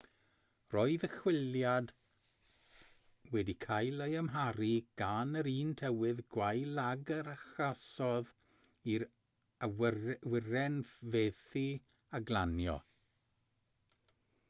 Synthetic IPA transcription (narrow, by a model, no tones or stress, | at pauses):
rɔɨðəχwɪljad | wɛdikʰajlˠəjamɦaɾiɡ̥anəɾiːntʰɛwɪðɡwajlˠaɡəɾaχasɔð | iɾ | wɪrɛnveːθi | aɡlˠanjɔ̰